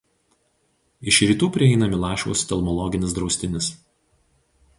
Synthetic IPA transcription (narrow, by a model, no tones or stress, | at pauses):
ɪʃɾʲiːt̪uːpʲɾʲɪɛɪnɐmʲɪlˠɑˑːʃo̰ʊst̪ʲɛlˠmɔlˠɔɡʲɪnʲɪsd̪ɾɒʊsʲt̪ʲɪnʲɪs